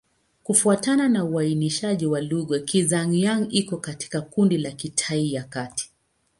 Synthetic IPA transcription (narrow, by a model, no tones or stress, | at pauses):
kufuatananauainiʃaʄiwaluɠɔkizaŋjaŋikɔkati̥kakundilakitʰaijakati̥